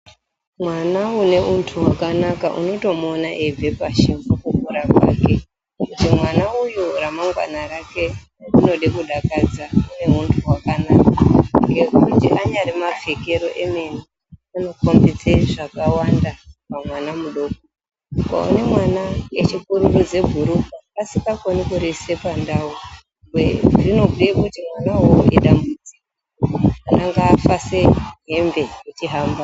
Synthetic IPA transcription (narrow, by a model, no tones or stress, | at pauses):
mwanaune̞untʰuwakanakaʔṵno̞to̞monaʔeve̞paʃimbokukuɾapa̰ːke̞ | kutimwanaujuramaŋɡwa̰naɾake̞ | uno̞ɗekuɗakad͡zaune̞untʰuwakanakaŋɡe̞kukutiʔaɲaɾimavʱe̞ke̞ɾoʔeme̞ni | ano̞kombit͡seʐakawandapamwanamuɗo̞ko | ka̰o̰ne̞mwanaet͡ʃikuɾurud͡ze̞bʱuɾukaːsikakonikuɾese̞pandawu | ɡweʐino̞ɡʱekkutimwanawoḛɗambud͡ziko | anaŋɡaːfaseɦe̞mbe̞jet͡ʃiɦaːmba